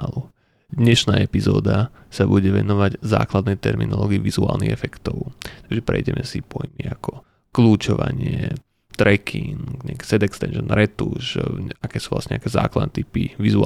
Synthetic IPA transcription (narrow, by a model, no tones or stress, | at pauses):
alu | d̪ɲɛʃnaːɛpizɔːd̪asabuɟɛʋɛnɔʋaɟza̰ːklad̪nɛjt̪ɛɾminɔlɔːɡiiʋizuaːlˠnḭɣɛfɛkt̪ɔʊt̪aɡʒɛpɾɛ̰jɟɛmʔɛsipɔjmiakʰɔ | kluːt͡ʃɔʋa̰ɲɪɛ | t̪ɾɛkʰiŋkɲɛaki̥sɛd̪ɛkst̪ɛnʃɔnɾʔɛt̪uʃakɛːsuːvlasɲɛa̰kɛːzaːklˠad̪nɛːt̪ipiʋizua